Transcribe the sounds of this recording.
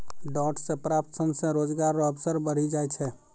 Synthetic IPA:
ɖɔːʈsẽpɾap̚t̪səmsẽɾoːd͡ʒɡaɾːoəbsəɾbəɽ̤id͡ʒaɛt͡ʃʰɛ

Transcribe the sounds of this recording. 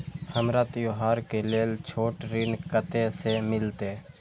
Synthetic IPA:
həmɾət̪joɦaːɾkeleːlt͡ʃʰoːʈɾɪnkət̪esemɪlt̪eː

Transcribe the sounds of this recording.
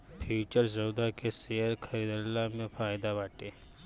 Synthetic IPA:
pʰit͡ʃəɾzəwd̪akeseəɾkʰəɾid̪əlːamẽfaːjd̪aʋaʈe

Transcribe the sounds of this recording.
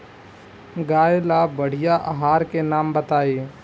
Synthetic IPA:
ɡaːelabəɽ̤ɪjaʔaɦaːɾkenaːmbət̪aːiː

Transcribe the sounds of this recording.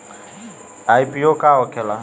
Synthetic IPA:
ajpiokaɔkʰɛla

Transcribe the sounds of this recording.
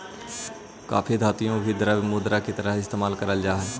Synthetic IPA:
ka̰ːpʰid̪ʱaːt̪ijõbʱid̪əɾəbmʊd̪ɾakit̪əɾəɦɪst̪eːmaːlkəɾəld͡ʒaːɦɛː

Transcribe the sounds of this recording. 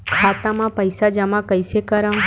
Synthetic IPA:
kʰaːt̪ãmãpəjsad͡ʒəmãkəjsekəɾə̃

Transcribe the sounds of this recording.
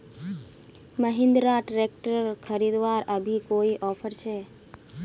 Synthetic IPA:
məɦɪ̃nd̪ɾaʈɾek̚ʈəɾkʰəɾid̪ʋaɾəbʱikoiʔɔpʰəɾt͡ʃʰe

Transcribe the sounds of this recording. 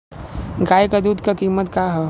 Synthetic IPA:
ɡaːjkad̪ud̪kakiːmət̪kaːɦɛ

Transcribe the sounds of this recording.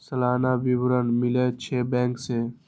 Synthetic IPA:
səlaːnabiwɾənmɪlet͡ʃʰeːbɛ̃ːŋkseː

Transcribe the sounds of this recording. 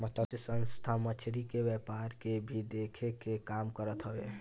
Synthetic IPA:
mət̪ʰət̪əsə̃nst̪ʰamət͡ʃʰɾikewjɛpaɾkebʱid̪ekʰekekamkəɾət̪ɦəbe

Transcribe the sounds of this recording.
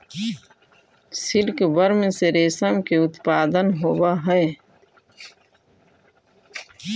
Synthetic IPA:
sɪlkbəɾmẽseɾeːsəmkeʊt̪paːd̪ənɦoːwaɦɛe

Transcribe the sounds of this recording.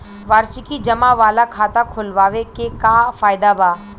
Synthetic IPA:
ʋaːɾsikid͡ʒɐmaʋaːlakʰaːt̪akʰʊlʋaːʋekekafaːɪd̪abaː

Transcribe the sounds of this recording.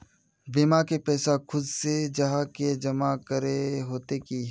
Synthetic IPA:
bɪmakepɛːsakʰʊd̪sed͡ʒɐɦãked͡ʒɐmakəɾeɦoːt̪eki

